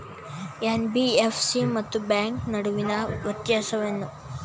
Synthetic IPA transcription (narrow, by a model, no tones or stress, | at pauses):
enbiefʰsimɐt̪ːubaːŋknɐɽuʋinɐʋɐt̪jaːsɐʋɐnːu